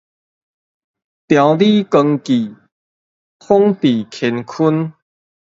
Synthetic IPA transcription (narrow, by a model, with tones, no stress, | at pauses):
t̪jã˨˧wli˦kə˧ŋki˨˩ | hɔ˦ŋt̪i˨˩kʰɛ˧nkʰu˦n